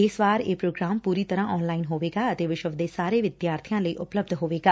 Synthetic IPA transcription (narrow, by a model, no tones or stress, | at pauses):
ɪsʋaːɾeːpɾoːɡɾaːmpuːɾiːt̪əɾãːʔɔːnlaːinɦoːʋeːɡaːət̪eːʋɪʃəʋd̪eːsaːɾeːʋɪd̪jaːɾt̪ʰɪjãːləḭːʔʊpləb̚d̪ʱɦoːʋeːɡaː